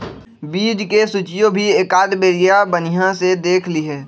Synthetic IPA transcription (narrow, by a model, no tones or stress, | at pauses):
biːd͡ʒkesʊt͡ʃijõbʱiekaːd̪beːɾijabənijãsed̪eːkʰliɦɛ̃ː